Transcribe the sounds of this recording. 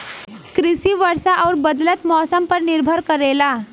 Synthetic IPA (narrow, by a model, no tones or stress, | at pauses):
kɾisiʋəɾsaʔɔːɾbəd̪lət̪mɔsəmpəɾniɾbʱəɾkəɾela